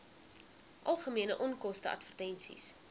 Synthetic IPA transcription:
ʔɐlˠχəmiənəʔɔnkɔstəʔɐ̰tvərtɛnsḭs

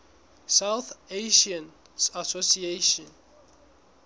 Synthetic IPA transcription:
sawθeʃãn | sasosieʃɔ̃n

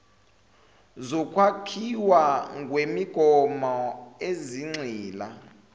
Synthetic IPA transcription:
zɔkʼwakʰiwaŋɡwemiɡ̥ʱɔmɔeziŋ͡ǀiːla

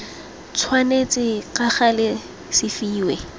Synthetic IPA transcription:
t͡sʰwanet͡sʼɪkaχalɪ | sɪfiːwɛ

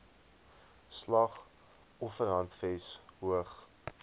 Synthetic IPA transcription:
slɐχ | ɔfəɾɦɐntfɛsɦuəχ

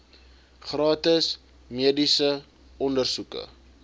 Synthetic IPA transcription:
χrɑːtəs | miədisə | ɔndərsukə̰

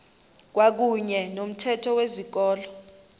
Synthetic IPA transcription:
k̬wak̬uɲɛnom̩tʰɛtʰɔwezik̬ɔːlɔ

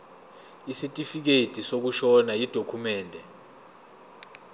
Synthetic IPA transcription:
isitʼifik̬etʼisok̬uʃɔnajid̥ʱokʰumɛːndʱɛ

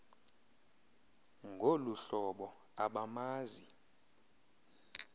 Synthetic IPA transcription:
ŋɡʱoluɬɔɓɔ | aɓamaːzi

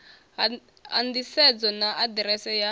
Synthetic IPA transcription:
a̰ndisɛd͡zɔnaʔadɾɛsɛja

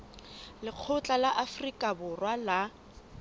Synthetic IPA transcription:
lɪq͡χʰʊt͡ɬʼalaʔafrikʼabʊrwala

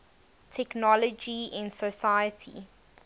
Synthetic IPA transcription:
tʰɛknɔləd͡ʒiɪ̃nsəsajətʰḭ

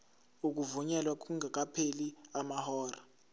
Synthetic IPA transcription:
uk̬ʼuvuɲɛlwak̬ʼuŋak̬ʼapʰeliamahɔːra

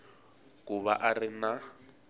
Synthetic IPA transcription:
kuβaʔarɪna

